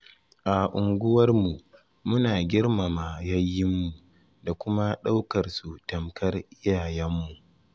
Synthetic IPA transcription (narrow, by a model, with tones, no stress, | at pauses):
ʔa˨ʔʊ˨ŋɡʷʊ˦wɐ˦rmu˨ | mʊ˦naː˨ɡʲɪ˦rma˨ma˨jɐ˦jːɪ˦mːu˨ | da˨kʷʊ˦ma˦ɗa˦wkɐ˨rsu˨tɐ˨mkʰɐ˦rʔɪ˦jaː˨jɛ˦mːu˨ʔ